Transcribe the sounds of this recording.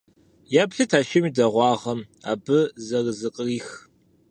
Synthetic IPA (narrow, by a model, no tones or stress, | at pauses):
jaːbɬɨtʰaːʃɐmiːdɐʁʷɑːʁɐm | a̰ːbɨzɐrɨzɨqʼəriːx